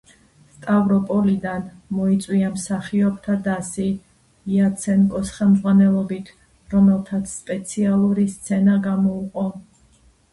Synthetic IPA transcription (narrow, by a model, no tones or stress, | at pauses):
st̪ʼavɾɔpʼɔlid̪anmɔit̪sʼwiamsaχiɔp̚ʰt̪ʰad̪asiː | at̪sʰɛnkʼɔsχɛmd̪zʁwanɛlˠɔbit̪ʰ | ɾɔmɛlˠt̪ʰat̪sʰspʼɛt̪sʰialˠuɾist̪sʰɛnaɡamɔuqʼɔ